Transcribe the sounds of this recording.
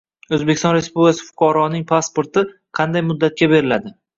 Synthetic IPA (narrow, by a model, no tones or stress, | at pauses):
ozbeɪst̪ɒnɾe̞spublʲkʲʰasɪ̥fʊ̥qʰɑɾɒnɪŋpʰaspoɾt̪ʰɪ | qʰɑnd̪ajmʊd̪ːat̪̚kʲabe̞ɾɪlad̪ɪ